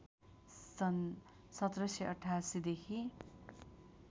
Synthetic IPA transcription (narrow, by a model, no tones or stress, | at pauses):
sʌt̪rʌseʌʈʰːasid̪ekʰi